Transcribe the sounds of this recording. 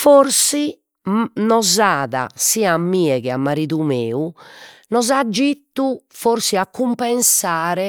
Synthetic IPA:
foɾsi | nɔzaːða̰siːamːiːɛɣɛamːaɾiːðumeːunɔzad͡ʒːit̪ːufoɾsiakʰːumpɛnsaːɾɛ

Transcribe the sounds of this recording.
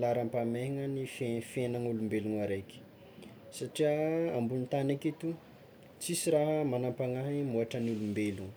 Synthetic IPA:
laɾampameŋənifefenaŋulumbeluŋaɾeki̥ | saʈ͡ʂiaambulnt̪anekit̪u | t͡sisiɾaɦəmanampaŋaɦimuaʈ͡ʂənulumbelu

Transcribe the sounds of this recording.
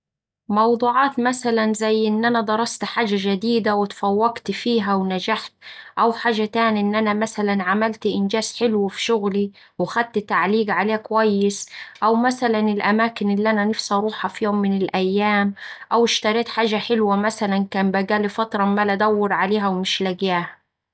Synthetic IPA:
mɑwd̪ˤuːʕɑːt̪masalanzajːʔɪnːʔanad̪ˤɑɾˤɑst̪ħaːʒaʒad̪iːd̪awɪt̪fawːaɡt̪fiːɦawnad͡ʒaħt̪ʔawħaːʒat̪aːnʔɪnːʔanamasalanʕamalt̪ʔɪnd͡ʒaːzħɪlwfi̥ʃʊɣli | wxad̪̚t̪ɪt̪ːaʕliːɡʕaleːkwajːɪsʔawmasalanɪlʔamaːkɪnʔɪlːiʔananɪfsʔɑɾˤuːħɑfijoːmːɪnɪlʔajːaːmʔawɪʃt̪ɑɾˤeːt̪ħaːʒaħɪlwamasalankaːmbaɡaːlifɑt̪ɾˤɑmalad̪awːɪɾʕaleːɦawmɪʃlaɡjaːha

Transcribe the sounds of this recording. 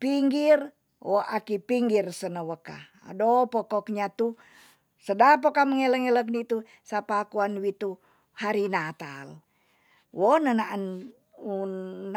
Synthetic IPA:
piŋɡir | woʔakipiŋɡirsənəwəka̰ | a̰dopokɔk̚ɲat̪u | sədap̬okaməŋeləŋelək̚nit̪u | sapakuanwit̪u | haɾinat̪a̰l | wonənaʔn | unː

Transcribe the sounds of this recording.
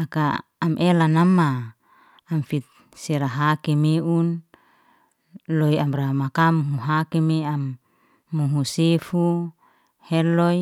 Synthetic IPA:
aka̰ː | mʔelanamːaː | mfit̪̚ | seɾaɦakimeun | lojamɾamakamuɦuɦakimeamː | uɦusefu | hɛlɔj

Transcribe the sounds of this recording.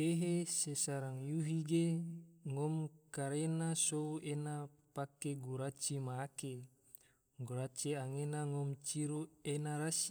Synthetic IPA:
eɦesesaɾaŋjuɦiɡeŋɔmkaɾenasouʔena | pakeɡuɾat͡ʃimaːke | ɡuɾat͡ʃiaŋenaŋɔmt͡ʃiɾuenaɾasi

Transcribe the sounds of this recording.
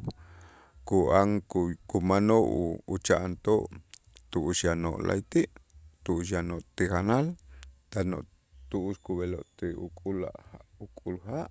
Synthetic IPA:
kuʔaŋkkumanoʔuːt͡ʃaʔnt̪oʔ | t̪uʔuʃjano̰ʔlʔa̰jt̪iʔt̪uʔʃ̬janoʔt̪ikanalt̪ano̰ʔ | t̪uʔuʃkuβeloʔt̪eṵkʼula̰ʔaukʼulhaʔ

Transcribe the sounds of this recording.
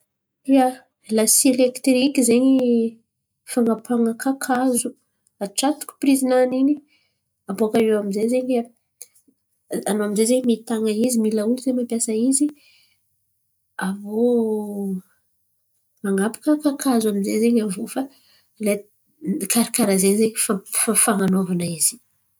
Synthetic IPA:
ia | lasielekt̪ɾikʲizeɲi | faŋapʰaŋəkʰakʰazu | aʈ͡ʂat̪u̥ku̥prizinanini | aboakaewamizezeɲa | anoaminzezeɲmit̪aŋəizimilaulizemampjasəizi | avo | maŋapḁkəkakʰazuaminzezeɲavofa | le | kʰaɾikaɾazeɲzeɲfafafaŋanovanaiz̥i̥

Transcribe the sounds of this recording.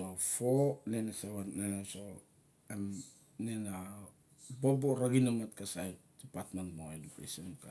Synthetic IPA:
ofonenasaβannanaso | em | nena | boboɾaɡinamat̚kasajt̚d̥ipatmantmoelipḛsemka

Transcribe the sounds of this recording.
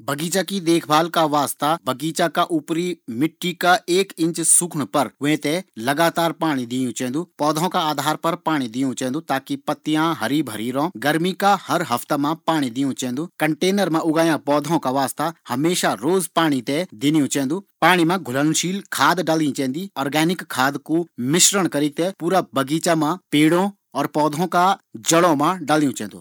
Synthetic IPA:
bʱɐɡiːt͡ʃakid̪eːkʰbʱaːlkaʋaːst̪abʱɐɡiːt͡ʃakaʔupɾimɪʈːikaeːkɪ̃ɲt͡ʃsukʰɽ̃pɐɾʊɦẽt̪ɛlɐɡaːt̪aːɾpaːɽ̃id̪ɪjũt͡ʃɛ̃ːn̆d̪uːpɔːd̪ʱõkaaːd̪ʱaːɾpɐɾpaːɽ̃ĩd̪ijũt͡ʃɛ̃ːnd̪ut̪aːkipɐt̪ːijãɦɐɾibʱɐɾiːɾõːɡɐɾmikahɐɾɦɐft̪emãpaːɽ̃id̪ijũt͡ʃɛ̃ːnd̪uːkɐɳʈeːnəɾmãʔʊɡaːjãpɔːd̪ʱõkaʋaːst̪ahɐmeːʃaɾoːzpaːɽ̃it̪ed̪ɪnijũt͡ʃɛ̃ːnd̪uːpaːɽ̃imãɡʱʊlənʃiːlkʰaːd̪ɖaːlĩt͡ʃɛ̃ːnd̪iɔːɾɡɛːnɪkʰːaːd̪kumɪʃɾəɽ̃kɐɾit̪epuːɾabəɡiːt͡ʃamãpeːɽõ | ɔːɾpɔːd̪ʱõkad͡ʒɐɽõmãɖaːlijũt͡ʃɛ̃ːnd̪ṵː

